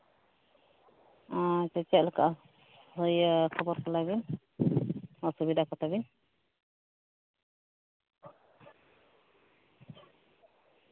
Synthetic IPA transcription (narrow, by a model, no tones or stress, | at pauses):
atɛt͡ʃɛʔlaka̰ʔ | hɔjkʰɔbɔɾkɔlabin | ɔsubid̪ʱakɔt̪ʰabin